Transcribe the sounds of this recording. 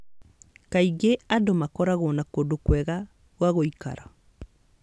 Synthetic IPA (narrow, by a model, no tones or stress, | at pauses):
kaiɡeadomakɔɾaɣonakodokwɛɣa | ɣwaɣoika̰ɾa